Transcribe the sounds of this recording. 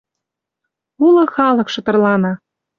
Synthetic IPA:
ulɤ̆xɑlɤ̆kʃɤ̆t̪ɤ̆rlɑnɑ

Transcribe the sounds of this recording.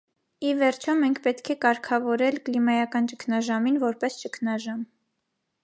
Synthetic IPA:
ivɛɾt͡ʃʰɔmɛŋkʰpɛt̪kʰɛkɑɾkʰɑvɔɾɛlklimɑjɑkɑnt͡ʃəkʰnɑʒɑminvɔɾpɛst͡ʃəkʰnɑʒɑm

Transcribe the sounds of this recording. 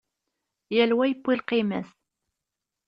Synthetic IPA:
jælwæjəpːilqimæ̰θ

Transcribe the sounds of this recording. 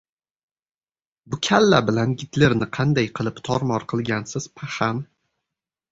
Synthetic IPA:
bʊkʲʰalːabɪlanɡʲɪt̪lɪɾnɪqʰɑnd̪ajqʰɨlˠɪpt̪ʰɒɾmɒɾqʰɨlˠɡʲansɪz̥pʰahan

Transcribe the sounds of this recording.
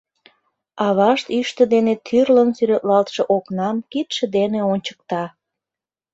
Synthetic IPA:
ɑβɑʃt̪yʃt̪ə̆d̪enet̪ʰyrlənsyɾet̪lɑlt̪ʃeʔoknɑmkit̪ʃə̆d̪eneonʲt͡ɕə̥k̚t̪ɑ

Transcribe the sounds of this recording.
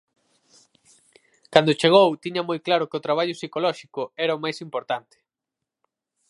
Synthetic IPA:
kand̪ot͡ʃeɣ̞owt̪iɲɐmojklaɾʊkɪʊt̪ɾaβ̞aʎʊsikolɔʃikʊɛɾɐomajsimpoɾt̪ant̪ɪ̥

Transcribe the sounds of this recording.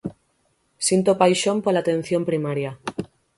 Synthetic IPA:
sint̪opajʃompolat̪ẽ̞n̟θjompɾimaɾja

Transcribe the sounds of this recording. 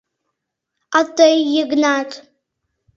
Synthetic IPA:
atʼejːɪɡnatʼ

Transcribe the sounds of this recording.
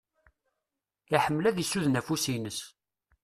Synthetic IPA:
aħəmːlæðisːuðnæfusinəs

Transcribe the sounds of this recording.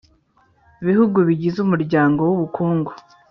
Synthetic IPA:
iβihuɡuβiɟizumuɾɟaːŋɡo̞wuβukʰuːŋɡo̥

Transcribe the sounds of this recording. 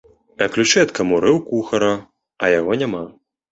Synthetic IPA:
ɐklʲut͡ʂɛɐt̪kɐmuɾɨwkuxɐɾɐ | ɐjaɣɔnʲama

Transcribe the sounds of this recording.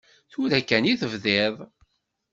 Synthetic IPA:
θʊɾækːæniθəvðɪðˤ

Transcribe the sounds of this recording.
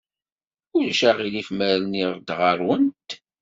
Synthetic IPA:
ʊlʃæʁilifmæɾniʁd̪ʁəɾˤwənt̪

